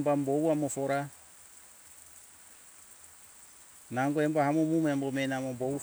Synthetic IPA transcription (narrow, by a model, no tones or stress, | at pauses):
mbambowamɔfɔɾa | naŋɡɔɛmbahamomumambɔmɛnamɔmbo